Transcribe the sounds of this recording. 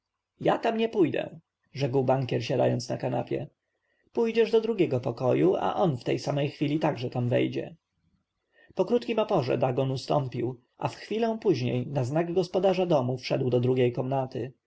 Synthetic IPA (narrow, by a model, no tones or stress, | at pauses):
jat̪amɲɛpujd̪ɛ̰ | ʐɛkwbaŋkʲɛɾɕad̪a̰jɔnsnakana̰pʲjɛ̰ | pujd͡ʑɛʐd̪ɔd̪ɾuɡʲɛɡɔpɔkɔjuʔa̰ʔɔnft̪ɛjsamɛjxfʲilʲit̪aɡʐɛt̪amvɛ̰jd͡ʑɛ̰ | pɔkɾut̪kʲimɔpɔʐɛ̰d̪aɡɔnust̪ɔmpʲiw | ʔa̰fxfʲilɛ̃w̃puʑɲejnaznaɡɡɔspɔd̪aʐad̪ɔmufʂɛd̪wd̪ɔd̪ɾuɡʲejkɔmnat̪ɘ